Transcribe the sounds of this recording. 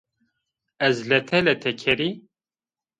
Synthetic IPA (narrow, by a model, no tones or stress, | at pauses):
ɛzlɛt̪ʰɛlɛt̪ʰɛkʰɛɾi